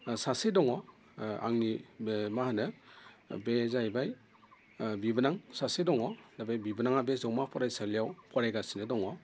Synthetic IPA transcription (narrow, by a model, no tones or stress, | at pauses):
sasedɔŋɔ | a̰ŋnimahanɯ | bezajbaj | bibanaŋsasedɔŋɔdabajbibanaŋabezɔwmapʰɔɾajsalijawpʰɔɾajɡasinɯdɔŋɔ